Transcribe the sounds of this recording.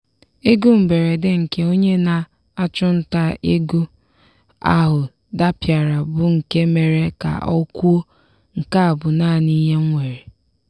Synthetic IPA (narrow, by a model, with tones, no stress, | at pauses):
e˦ɡu˦m̩˨be˨ɾe˨de˦ŋ̩˨ke˦o˦ɲe˦na˨ | a˦t͡ʃʊ˦n̩˦ta˦e˦ɡu˦ | a̰˦ɦʊ˨ | da˦pja˨ɾa˨bʊ˦ŋ̩˨ke˦me˨ɾe˦ka̰˨ɔ˦kʷu˦o˦ | ŋ̩˨ka˦a˨bʊ˨naː˦˨ni˦ɦe˦ŋ̩˦ŋʷe˨ɾe˨